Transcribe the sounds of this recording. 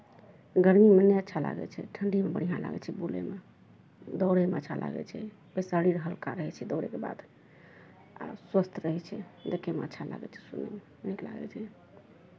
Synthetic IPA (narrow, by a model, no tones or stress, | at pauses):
ɡəɾminənːeətːʃʰala̰ɡɛ̰t͡ʃʰɛ̰ʈʰəɳɖimebəɽ̤ijãla̰ɡɛ̰t͡ʃʰɛbulḛme | d̪ɔwɾemeətːt͡ʃʰalʔa̰ɡɛ̰t͡ʃʰɛ | bəsaɽiɾəɦəlkaɾəɦɛt͡ʃʰɛd̪ɔʊɾekeba̰d̪ | a̰swəst̪ʰɾəɦɛt͡ʃʰɛd͡ʒəkːemḛətːʃʰala̰ɡɛ̰t͡ʃʰɛ̥sunḛ | nikla̰ɡɛ̰t͡ʃʰɛ